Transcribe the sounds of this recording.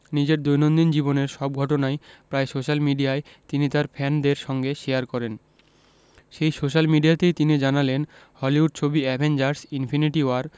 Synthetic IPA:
nid͡ʑeɾd̪ojnond̪ind͡ʑiboneɾʃɔb̚ɡʱɔʈonaepɾaesoʃalmiɖiae | t̪init̪aɾfʰɛnd̪eɾʃɔŋɡeʃejaɾkɔɾen | ʃejsoʃalmiɖijat̪ejt̪inid͡ʑanalen | hɔliuɖ̚t͡ɕʰobiɛbʱend͡ʑaɾsinfʰiniʈioaɾ

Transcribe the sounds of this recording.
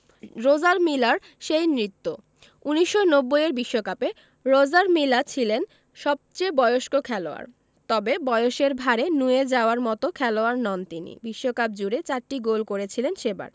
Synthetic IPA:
ɾod͡ʑaɾmilaɾ | ʃejnɾit̪ːo | uniʃːonobːojeɾbiʃːokape | ɾod͡ʑaɾmilat͡ɕʰilen | ʃɔb̚t͡ɕejbɔeoʃkokʰɛloa̰ɾ | t̪ɔbebɔjoʃeɾbʱaɾenued͡ʑaoaɾmɔt̪okʰɛloaɾnɔnt̪inḭbiʃːokap̚d͡ʑuɾet͡ɕaɾʈiɡolkoɾet͡ɕʰilenʃeba̰ɾ

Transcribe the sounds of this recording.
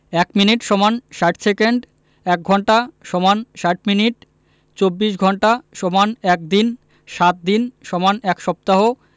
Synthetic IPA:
ɛkminiʈʃɔmanʃaʈsekeɳɖ | ɛk̚ɡʱɔɳʈaʃɔmanʃaʈ̚miniʈ | t͡ɕobːiʃɡʱɔɳʈaʃɔmanɛk̚d̪in | ʃat̪̚d̪inʃɔmanɛkʃɔp̚t̪aɦo

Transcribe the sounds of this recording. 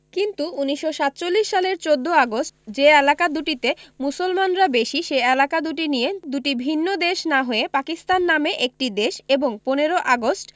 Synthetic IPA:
kint̪uuniʃːoʃat̪̚ːt͡ɕolːiʃːaleɾt͡ɕod̪ʱːoaɡosʈd͡ʑeɛlakad̪uʈit̪emusolmanɾabeʃiʃeelakad̪uʈinijed̪uʈibʱinːod̪eʃnaɦoepakist̪anːameʔek̚ʈid̪eʃeboŋponeɾoʔaɡosʈ

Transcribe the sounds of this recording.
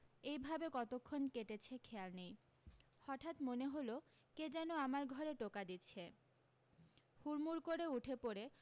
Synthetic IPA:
ejbʱabekɔt̪okʰːonkeʈet͡ɕʰekʰealnej | hɔʈʰat̪moneɦolo | ked͡ʑɛnoamaɾɡʱɔɾeʈokad̪itːt͡ɕʰe | huɾmuɾkoɾeuʈʰepoɾe

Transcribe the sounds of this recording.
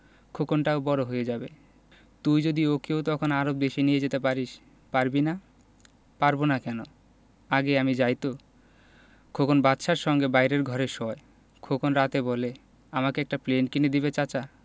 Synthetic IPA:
kʰokonʈaobɔɾoɦojed͡ʑabe | t̪ujd͡ʑod̪iokeot̪ɔkʰonaɾob̚d̪eʃinijed͡ʑet̪epaɾiʃ | paɾbina | paɾbonakɛno | aɡeamid͡ʑajt̪o | kʰokonbat̪ːʃaɾʃɔŋɡebajɾeɾɡʱɔɾeʃɔe | kʰokonɾat̪ebɔle | amakeɛk̚ʈaplenkined̪ibet͡ɕat͡ɕa

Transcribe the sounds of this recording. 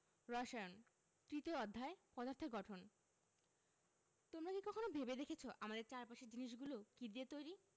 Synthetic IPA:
ɾɔʃaeon | t̪ɾit̪oɔd̪ʱːaepɔd̪aɾt̪ʰoɡɔʈʰon | t̪omɾakikɔkʰonobʱebed̪ekʰet͡ɕʰoʔamad̪eɾt͡ɕaɾpaʃeɾd͡ʑiniʃ̬ɡulokid̪iet̪ojɾi

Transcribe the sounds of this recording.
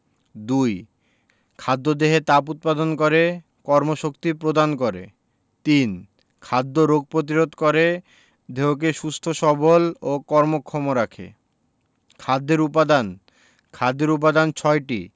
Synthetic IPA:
d̪uj | kʰad̪ːod̪eɦet̪aput̪̚pad̪onkoɾe | kɔɾmoʃokt̪ipɾod̪ankoɾḛ | t̪in | kʰad̪ːoɾoɡ̚pɾot̪̬iɾod̪koɾe | d̪ʱeok̬eʃust̪ʰoʃɔbolokɔɾmokʰːomoɾakʰḛ | kʰad̪ːeɾupad̪an | kʰad̪ːeɾup̬ad̪ant͡ɕʰɔeʈi

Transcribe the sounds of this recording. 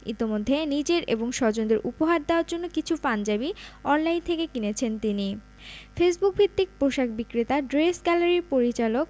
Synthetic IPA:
ḭt̪imod̪ʱːenid͡ʑeɾʔḛboŋʃɔd͡ʑond̪eɾʔupoɦaɾd̪eoaɾd͡ʑonːokit͡ɕʰupand͡ʑabiɔnlaint̪ʰekekinet͡ɕʰent̪ini | fes̬buk̚bʱit̪ːik̚pɾoʃakbikɾit̪aɖɾesɡɛlaɾiɾpoɾit͡ɕalok̚

